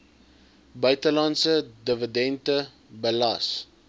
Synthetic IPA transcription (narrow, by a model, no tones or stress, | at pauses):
bœɥtəlɐnsədəvədɛntə | bəlɐs